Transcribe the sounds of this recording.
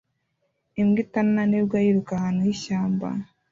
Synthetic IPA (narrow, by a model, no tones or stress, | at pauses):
imɡitannanebɡajiɾukahaːnujiʃaːmba̰